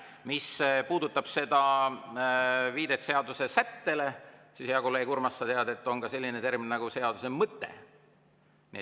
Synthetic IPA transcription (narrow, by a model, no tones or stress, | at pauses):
mispuːd̪ut̪ːˑɑb̥se̞d̪ɑ | viːd̪e̞t̪se̞ɑd̪use̞sæt̪ːe̞le̞sisjɑkolekurmɑsːɑt̪eɑd̪e̞t̪ːˑo̞ŋkɑse̞lʲːinet̪e̞rminenɑɡ̥use̞ɑd̪̥use̞mɤt̪ːˑḛ | nḭ